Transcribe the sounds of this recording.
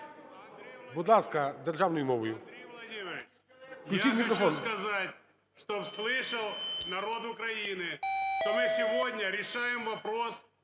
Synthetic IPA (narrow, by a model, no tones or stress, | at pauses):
bʊd̪lˠaskɐd̪erʐaʋnʊjʊmɔʋʊjʊɐdʲimʲɪɾʲɪ | klʲt͡ʃitʲmʲɪkkɾɐfonskɐzatʲ | ʂt̪opslˠɪʂəlˠnɐɾo̞t̪ʊkɾɐinɨʂt̪omɨsʲɪvodʲnʲəɾʲɪʂajɪmvɐpɾos